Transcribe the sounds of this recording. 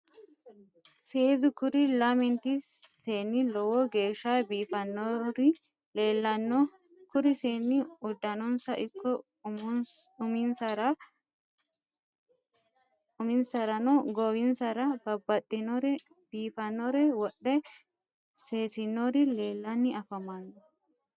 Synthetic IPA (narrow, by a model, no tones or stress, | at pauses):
seːzʊkʊɾɪlɐmɛnt̪ɪeːnːɪlɔwɔɡe̞ːʃːabiːfɐnːɾ | elɐn | kʊɾɪseːnːɪʊd̪ːɐnɔnsɐʔɪkːɔ | mʊmɪnsɐɾɐ | ʊmɪnsɐɾɐnɔɡɔwɪnsɐɾɐbɐbːɐɗɪnɔɾ | biːfɐnːɔɾɛwɔɗːɛ | se̞ːsɪnːɔɾɪleːlːɐnːɪɐfɐmanːɔ